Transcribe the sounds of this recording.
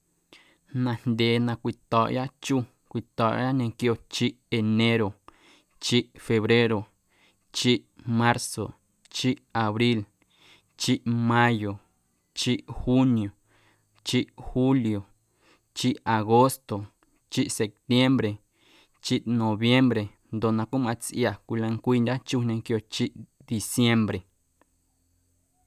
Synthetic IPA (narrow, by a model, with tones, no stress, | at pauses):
nã˧nd̪ʲe˧˨nã˧kʷi˧t̪ɔ˨ʔja˦t͡ʃu˦ | kʷi˨t̪ɔ˨ʔja˦ɲẽ˧kjo˧t͡ʃi˦ʔe˧nẽ˦ɾo˨ | t͡ʃi˦ʔfe˧βɾe˦ɾo˨ | t͡ʃi˦ʔmã˦ɾso˨ | t͡ʃi˦ʔa˨βɾi˦l | t͡ʃi˦ʔmã˦jo˨ | t͡ʃi˦ʔhu˦nj̃o˨ | t͡ʃi˦ʔhu˦ljo˨ | t͡ʃi˦ʔa˨ɣo˦st̪o˨ | t͡ʃi˦ʔse˨p̚t̪je˦mbɾe˨ | t͡ʃi˦ʔnõ˨βje˦mbɾe˨ | nd̪o˧nã˧ku˦mã˧t͡sʔja˧˨kʷi˧lã˧ŋkʷi˦˧nd̪ʲa˦t͡ʃu˦nẽ˧ŋkjo˧t͡ʃi˦ʔ | d̪i˨sje˦mbɾe˨